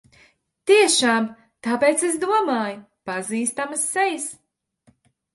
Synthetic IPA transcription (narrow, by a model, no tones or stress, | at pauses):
t̪iɛʃaːm | t̪apeːt̪ses̬d̪uɔmaːj | paziːst̪amɐsːɛjis